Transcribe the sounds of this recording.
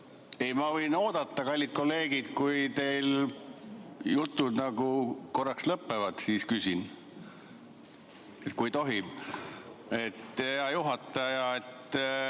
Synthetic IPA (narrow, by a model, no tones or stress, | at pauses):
e̞jmɑvɤjno̞ːd̪̥ɑt̪ˑːɑkɑlʲːid̪t̪̚ko̞lːe̞ːɡ̥id̪̥kujt̪e̞jl | jut̪ˑːud̪nɑɡ̥uko̞rːɑkslɤpːe̞vɑd̪̥siːskysʲin | et̪kujt̪o̞ɦi | e̞t̪ːeeɑjuɦɑt̪ˑːɑjɑet̪ː